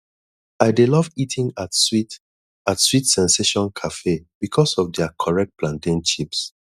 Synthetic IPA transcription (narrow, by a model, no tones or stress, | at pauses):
aɪdelɔvitʰĩŋatsit | atswitsɛ̃nseʃɔ̃nkʰafeb̥ikʰɔsɔfdɛakʰɔɹɛk̚t̚plãndĩnt͡ʃips